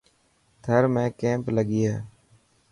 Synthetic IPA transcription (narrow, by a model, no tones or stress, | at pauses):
t̪ʰəɾmẽːkẽːmpləɠiːeː